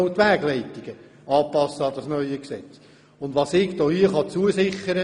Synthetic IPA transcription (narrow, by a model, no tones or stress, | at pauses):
wt̪ʋæːɡlɛɪtiɡ̥ə | ɑːpɑsːəɑd̥̪ɑsnœʏəksɛ̰t͡s | ʊnd̪ʋɑsɪːkd̥̪oːhiəχɑt͡suəsɪχəɾə